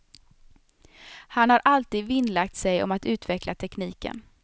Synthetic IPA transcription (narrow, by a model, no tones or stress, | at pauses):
hanhaɾʔalt̪iːd̪vɪnlak̚t̪sɛjɔ̰mat̪ʉ̟ːt̪vɛklat̪ʰɛkniːkə̰n